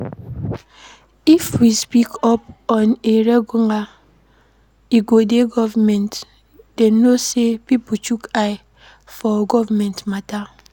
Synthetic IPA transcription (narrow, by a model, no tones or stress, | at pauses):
ifwispikɔp̚ɔneɾeɡuŋa | iɡodeɡɔvamɛnt | d̥ɛnːosepiput͡ʃukaj | fɔɡɔvamɛntmata